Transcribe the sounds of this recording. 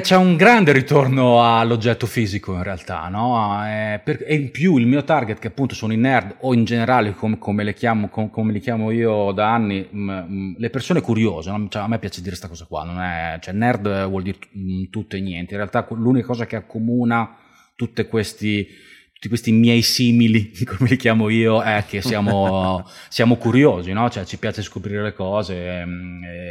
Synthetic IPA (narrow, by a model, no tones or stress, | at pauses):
t͡ʃɛuŋɡɾand̪eɾit̪ornoalːod͡ʒːɛt̪ːofiːzikoinrealt̪a̰nɔɛperepjuilmiːot̪arɡet̪keapːunt̪osoːnoinɛrd̪oind͡ʒeneɾaːlekomkʰomelekjaːmokokommelikjaːmoiːod̪aanːi | lepersoːnekuɾjoːzenɔt͡ʃɛamːepːjaːt͡ʃed̪iɾest̪akɔːzakwa̰nːonɛ̰t͡ʃoɛnːɛrd̪vwɔld̪iɾet̪ut̪ːoenːjɛnt̪eĩrealt̪aklunikakɔːzakeakːomuːna | t̪ut̪ːekwest̪i | t̪u̥t̪ːikwest̪imjɛjsiːmilikomelikjaːmoiːoɛkːesːjaːmo | sjaːmokuɾjoːzinɔt͡ʃoɛt͡ʃipjaːt͡ʃeskopɾiɾelekɔːze